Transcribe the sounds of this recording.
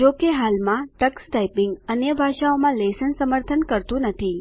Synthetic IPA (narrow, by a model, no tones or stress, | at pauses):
d͡ʒokeɦalmãʈəksʈaipɪ̃ŋɡənjəbʱaʃaomãlesənsəməɾt̪ʰənkəɾt̪ũnət̪ʰi